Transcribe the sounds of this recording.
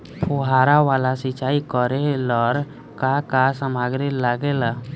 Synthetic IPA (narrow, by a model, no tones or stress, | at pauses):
pʰuɦaːɾawaːlasɪt͡ʃaːikəɾelɔɾ | kakasəmaɡɾelaɡela